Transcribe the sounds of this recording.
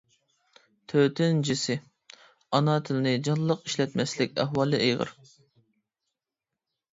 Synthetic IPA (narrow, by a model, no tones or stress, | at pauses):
t̪ʰøt̪ʰɪnd͡ʒisɪ | ɑnɑt̪ʰɪlɪnɪd͡ʒɑlˠːəqiʃlɛt̪mɛslɪkʲæ̰ɦwɑlˠɨʔejʁə̰ɾ